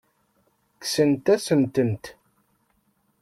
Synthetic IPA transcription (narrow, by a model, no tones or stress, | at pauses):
ksənt̪æsənt̪ənt̪